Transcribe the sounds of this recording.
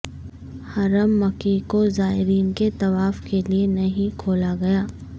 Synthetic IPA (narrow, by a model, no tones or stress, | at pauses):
hɐɾəmːɐkikozaːɪɾiːnket̪ɐʋaːfkelienɐɦĩkʰoːlaɡɐjaː